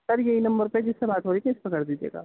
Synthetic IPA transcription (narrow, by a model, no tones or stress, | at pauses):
sɐɾjɐɦinɐ̃mbəɾped͡ʒɪsːebaːt̪ʰoɾikẽspɐkəɽd̪iːd͡ʒiḛːɡa̰ː